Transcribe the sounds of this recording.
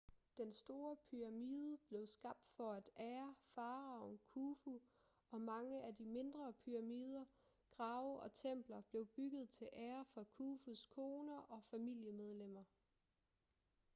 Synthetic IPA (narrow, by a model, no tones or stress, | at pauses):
d̥ensd̥o̝ːɐpʰyʁɑ̈miːð̞ˠəb̥le̝ʊsɡ̥ɑ̈b̥̚d̥fɒ̽æd̥æːɐfɑ̈ːʁɑ̈ʊnkʰufu | ɒ̽mɑ̈ŋəʔædime̝nd̥ʁɐpʰyʁɑ̈miːð̞ˠɐ | ɡ̥ʁɑ̈ʊʔɒ̽t͡sʰem̰b̥lɐb̥le̝ʊb̥yɡ̥ð̞̩ˠt͡sʰe̝lʔæːɐfɒkʰuːfuskʰo̝ːnɐʔɒ̽fæmil̰jəmeð̞ˠlem̰ɐ